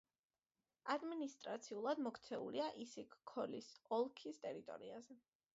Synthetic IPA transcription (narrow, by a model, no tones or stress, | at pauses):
ad̪minist̪ʼɾat̪sʰiulˠad̪mɔkʰt̪sʰɛṵliaʔisikːʰɔlisɔlˠkʰist̪ʼɛɾit̪ʼɔ̰ɾḭazɛ